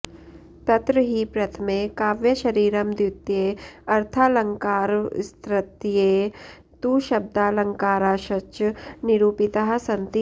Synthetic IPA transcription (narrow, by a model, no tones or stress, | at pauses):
pɐt̪ɾəɦipɾɐt̪ʰəmekaːʋjəʃɐɾiːɾɐmd̪jʊt̪jeːɐɾt̪ʰaːlɐ̃ŋkaːɾst̪ɾɐt̪jeː | t̪uːʃɐb̚d̪aːlɐ̃ŋkaːɾaːʃɐt͡ʃnɪɾuːpɪt̪aɦsɐ̃nt̪i